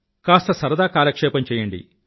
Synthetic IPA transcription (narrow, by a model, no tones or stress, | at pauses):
kaːst̪ɐsɐɾɐd̪aːkaːlɐkʂɛːpɐmt͡ʃɛːjɐɳɖḭ